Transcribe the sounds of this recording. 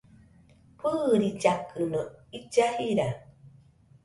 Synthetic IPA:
pɨːɾit͡ʃakɨnoid͡ʒahiɾa

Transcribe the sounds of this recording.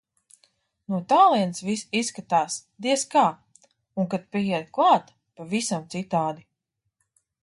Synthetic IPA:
nuɔt̪aːlˠiɛnsvisisːkat̪aːsd̪iɛskaː | uŋkat̪̚pʲiɛd̪klˠaːt̪ | pavisamt̪sit̪aːd̪i

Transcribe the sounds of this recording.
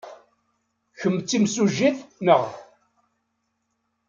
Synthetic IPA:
çəmt͡sːimsuʒiθnəʁ

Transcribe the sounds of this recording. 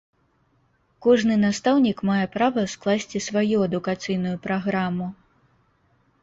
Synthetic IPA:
kɔʐnɨnast̪awnʲikmajɛpɾavɐsklˠasʲt͡sʲisvajuɐd̪ukat̪sɨjnujupɾaɣɾamu

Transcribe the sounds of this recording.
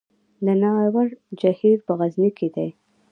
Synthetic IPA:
lənɑwaɽd͡ʒahiɾpəɣazniked̪aj

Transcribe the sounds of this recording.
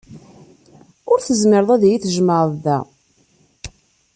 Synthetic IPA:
ʊɾθəzməɾðˤæðjiθəʒməɾˤðæ̰

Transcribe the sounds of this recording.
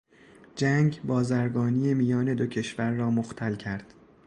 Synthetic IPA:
d͡ʒæŋɟbɒːzæɾɡɒːniːjemijɒːne̞d̪o̞cʰe̞ʃvæɾːɒːmoxt̪ʰælcʰæɾd̪̥

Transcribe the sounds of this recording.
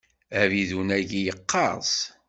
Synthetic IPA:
æviðunæʝijəqʰːɑɾˤs

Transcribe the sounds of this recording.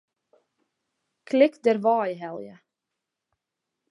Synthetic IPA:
kʰlɪkdɛrʋɑːjɦɛlˠjə̰

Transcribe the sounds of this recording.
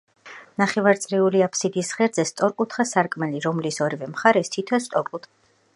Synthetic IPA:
naχɛvaɾt̪sʼɾɛuliapʰsid̪isχɛɾd̪zɛst̪sʼɔɾkʼut̪ʰχasaɾkʼmɛliɾɔmlisɔɾivɛmχaɾɛst̪ʰit̪ʰɛst̪ʼɔɾkʼut̪ʰ

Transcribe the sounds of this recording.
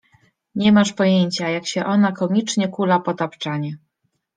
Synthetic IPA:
ɲɛmaʂpɔjeɲt͡ɕajakɕɛʔɔn̪akɔmʲit͡ʂɲɛkulapɔt̪apt͡ʂaɲɛ

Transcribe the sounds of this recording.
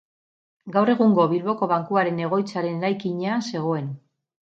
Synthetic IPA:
ɡawre̞ɣ̞uŋɡo̞βilβo̞ko̞βaŋkuaɾe̞ne̞ɣ̞o̞jt͡saɾe̞neɾajkiɲease̞ɣ̞o̞e̞n

